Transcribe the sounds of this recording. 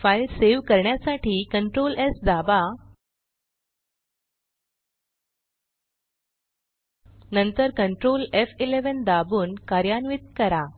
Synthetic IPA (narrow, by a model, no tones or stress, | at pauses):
fajlseʋkəɾɳjasaʈʰiːkəɳʈɾolesd͡z̪aba | nənt̪əɾkəɳʈɾolefileʋənd̪abuːnkaɾjanʋit̪̚kəɾa